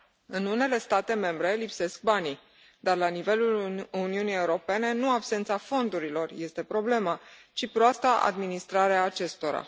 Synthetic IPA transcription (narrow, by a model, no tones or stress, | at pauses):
ɨnune̞le̞st̪at̪e̞me̞mbɾe̞lipse̞sk̚bani | d̪arlanive̞luluniunije̞uɾo̞pe̞ne̞nuabse̞nt̪safo̞nd̪uɾilo̞rje̞st̪e̞pɾo̞ble̞mat͡ʃipɾoast̪aʔa̰d̪minist̪ɾaɾeaːt͡ʃe̞st̪o̞ɾa̰